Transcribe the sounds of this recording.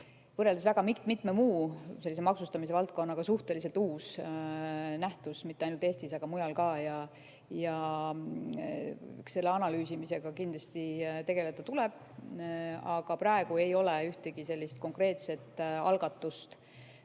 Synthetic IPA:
vɤrːeld̪esvæɡ̥ɑmikt̪mit̪ːˑmemuːse̞lːis̬emɑksust̪ɑmis̬e̞vɑlt̪̚ko̞nːɑɡ̥ɑsuht̪e̞lis̬e̞lt̪uːs | næht̪usmit̪ːeɑjnult̪eːst̪isɑɡ̥ɑmujɑlkɑːjɑ | jɑ | se̞lːeɑnɑlyːsimise̞ɡ̥ɑkind̪lɑst̪it̪e̞ɡe̞let̪ːɑt̪ulɛb̥̚ | ɑɡ̥ɑprɑeɡue̞jo̞leyht̪eɡ̥ise̞lʲːist̪̚ko̞ŋkre̞ːt̪se̞t̪ːˑɑ̰lɡ̥ɑt̪ːˑust̪

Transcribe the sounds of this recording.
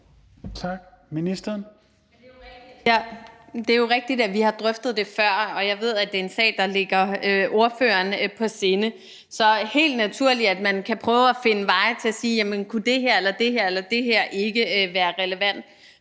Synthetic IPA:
t͡sʰɑɡ̥ | minisd̥ɐn | jæd̥e̝æɐjo̝ʁɛɡ̥̚d̥id̥æʋihɑ̈d̥ʁœfd̥ð̞̩ˠd̥e̝fɶɐ̰ɒ̽jɑ̈ɪʋe̝ð̞̰ˠæd̥e̝e̝nsɛ̰ːd̥ɑ̈le̝ɡ̥ɐøʔo̝ɐføːɐnpʰɒ̽se̝ːnə | sɒ̽he̝̰ːld̥næt͡sʰuɐ̰li̥æd̥̚mænkʰæpʰʁœːʊæfe̝nəʋɑ̈ɪt͡sʰe̝æsiːjæmənkʰud̥e̝ɦeɐ̰elɐd̥e̝ɦeɐ̰elɐd̥e̝ɦeɐ̰ʔe̝ɡ̥əʋæːɐʁɛləʋæn̰d̥

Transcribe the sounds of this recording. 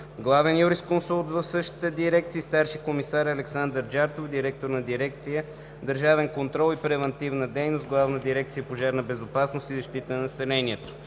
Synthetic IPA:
ɡlˠavɛnjuɾiskonsulˠt̪vɐfsɤʃt̪i̥t̪əd̪iɾɛk̚t̪siːst̪aɾʃikomisaɾɐlɛksand̪əɾd͡ʒaɾt̪ofd̪iɾɛk̚t̪oɾnɐd̪iɾɛk̚t̪sijə | d̪əɾʒavɛnkont̪ɾɔlˠipɾɛvɛnt̪ivnəd̪ɛjnost̪̚ɡlˠavnəd̪iɾɛk̚t̪sijəpoʒaɾnɐbɛzopasnost̪izɐʃt̪it̪ənnɐsɛlɛniɛt̪o

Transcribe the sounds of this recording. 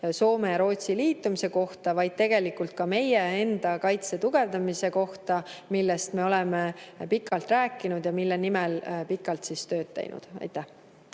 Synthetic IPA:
so̞ːme̞jɑɾo̞ːt̪siliːt̪ːˑumise̞ko̞ht̪ɑvɑjd̪̥̚t̪e̞ɡ̥e̞likult̪̚kɑme̞jee̞nd̪̥ɑkɑjt̪se̞t̪uɡ̥e̞vd̪ɑmise̞ko̞ht̪ɑmilːe̞st̪me̞o̞lɛmepikːˑɑlt̪ræːkːˑinud̪̥jɑmilːenimelpikːˑɑlt̪sist̪ø̞ːd̪̚t̪ːḛjnṵd̪̥ɑ̰jt̪ːˑæh

